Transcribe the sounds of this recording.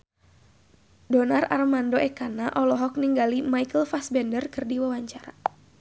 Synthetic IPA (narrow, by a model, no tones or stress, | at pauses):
dɔnara̰rmandoʔɛkanaʔɔlɔɦɔk̚niŋɡalimajkəlfasbɛndərkɨrdiwawaɲt͡ʃaɾa̰